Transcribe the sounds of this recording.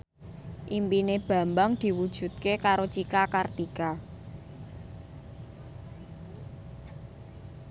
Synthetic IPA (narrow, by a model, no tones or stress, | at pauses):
ʔimpineb̥ä̤mbaŋd̪̥i̤wud̥ʒ̥ṳt̪̚kekaɾot͡ʃikakart̪ika